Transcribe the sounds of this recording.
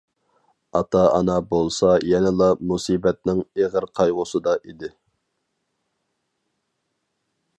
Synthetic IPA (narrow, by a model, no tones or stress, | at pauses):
ɑt̪ɑɑ̰nɑbolˠsɑjɛnɪlˠɑmusiːbɛt̪̚nɪŋeʁəɾqʰɑjʁʊsɨd̪ɑʔid̪ɪ